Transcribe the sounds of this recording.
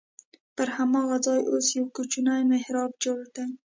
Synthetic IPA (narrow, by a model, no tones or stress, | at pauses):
pəɾhamɑɣazɑjʔosjawkut͡ʃunajmehɾɑb̚d͡ʒoɽd̪a